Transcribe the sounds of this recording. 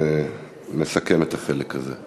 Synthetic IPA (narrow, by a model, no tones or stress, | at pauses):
mesake̞met̪aχelekaze